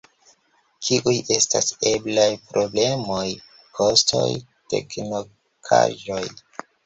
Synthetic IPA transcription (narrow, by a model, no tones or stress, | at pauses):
t͡ʃiʔujʔe̞stase̞blajpɾʔo̞ble̞moj | kʰo̞stʰo̞̰j | te̞̰kno | kʰa̰ʒo̞j